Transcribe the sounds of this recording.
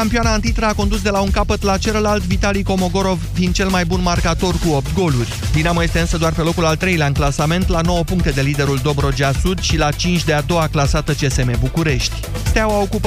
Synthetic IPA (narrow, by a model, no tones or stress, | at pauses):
kampioanaɨnt̪it̪ɾəako̞nd̪us̬d̪e̞lauŋkapət̪lat͡ʃe̞ləlalt̪vit̪aliko̞mo̞ɡo̞ɾo̞vfind̪̚t͡ʃe̞lmajbunmarkat̪o̞rkuop̚t̪̚ɡo̞lurʲbinaməjest̪e̞ɨnsəd̪oarpe̞lo̞kulalt̪ɾe̞jleaɨnklasame̞nt̪lano̞wəpuŋk̚t̪ed̪e̞lid̪e̞ɾuld̪o̞bɾo̞d͡ʒeasud̪ʃilat͡ʃint͡ʃʲd̪e̞ad̪o̞waklasat̪ət͡ʃe̞se̞me̞bukuɾe̞ʃt̪ʲ | st̪eawaokup